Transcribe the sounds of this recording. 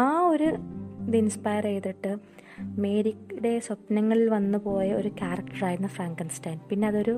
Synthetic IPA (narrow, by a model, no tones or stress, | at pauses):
aːo̞ɾud̪inspaːjɐre̞jt̪ːiʈːɨ | me̞ːɾikːde̞sɐpnɐŋːɐɭilʋɐnːupo̞ːjɐo̞ɾukʲaːrɐkʈɐraːjɾunːɐfraːŋkɐnstaːnpinːe̞ɐðo̞ɾu